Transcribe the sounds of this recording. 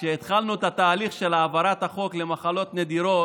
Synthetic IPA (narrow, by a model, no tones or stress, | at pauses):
ʃeːt̪χalnut̪at̪aːliχʃe̞laːvaɾat̪haχo̞klemaχalo̞t̪ne̞d̪iɾo̞